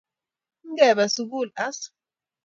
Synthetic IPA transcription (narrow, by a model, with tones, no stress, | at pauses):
ŋ˦ɡɛ˨βa˨suɡu˦˨la˦s